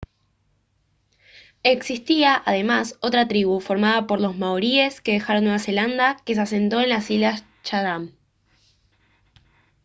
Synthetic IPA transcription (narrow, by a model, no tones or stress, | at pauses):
e̞ksist̪iaʔaðe̞maso̞t̪ɾat̪ɾiβufo̞ɾmaðapo̞ɾlo̞zmawɾie̞ske̞ðe̞xaɾonːwe̞βase̞land̪ake̞s̬ase̞nt̪o̞e̞nlasilas | t͡ʃaɾam